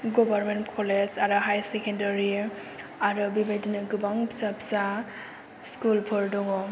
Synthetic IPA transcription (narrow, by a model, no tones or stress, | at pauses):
ɡɔbaɾmentkʰɔlezaɾɯɦajsekendaɾi | aɾɯbibejdinɯɡɯbaŋpʰi̥sapsa | skulpʰɔɾdɔŋɔ